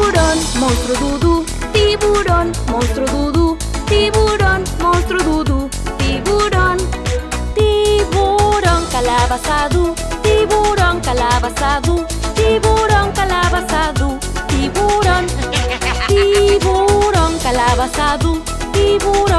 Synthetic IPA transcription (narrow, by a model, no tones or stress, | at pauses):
ɾɔnmɔ̃st̪ɾud̪ud̪u | t̪ibuɾɔnmɔ̃nst̪ɾud̪ud̪u | t̪iβuɾɔnmɔst̪ɾud̪ud̪u | t̪ibuɖɔnt̪iboɾɔŋkalabasaðu | t̪ibuɾɔŋkalabasaðu | t̪ibuɾɔŋkalabasad̪u | t̪ibuɾɔn | t̪iboɾɔŋkalaβasad̪u | t̪iβuɾɔ